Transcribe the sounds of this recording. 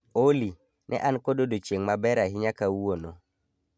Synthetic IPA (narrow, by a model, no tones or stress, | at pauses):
oli | nʔɛ̰ʔankododot͡ʃeŋmabɛɾaɦiɲakawuwono